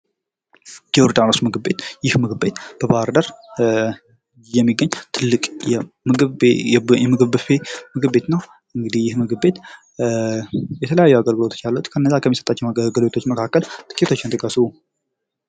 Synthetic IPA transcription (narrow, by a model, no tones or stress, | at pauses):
jɛwʊɾd̪anosmɨɡɨbːe̞t̪jɪhmɨɡɨbbe̞t̪b̥əbahɾd̪əɾ | jɛmːiɡːəɲːt̪ʰɨlːɨkʼjɛmɨɡɨ | jɛmɨɡɨβɨfe̞mɨɡɨβbe̞t̪nəw | ʔɨŋɡɨd̪ihjɪhmɨɡɨβbe̞t̪ | jɛt̪ʰələjajːuaɡəlɡɨloo̞t͡ʃːjalːut̪kʰəɨnːəzːakʰəmːisət̪ʼat͡ʃːɛwɡəlbet̪ʰot͡ʃːməkʰakːəlt̪ʰɨ̥kʰit̪ʰo̞t͡ʃːɪnt̪ʼɨɡʼəsuu